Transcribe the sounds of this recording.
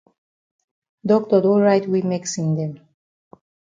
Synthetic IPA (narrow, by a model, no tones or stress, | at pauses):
dɔk̚tɔdɔɹaɪtwimeksĩnd̪ɛ̃m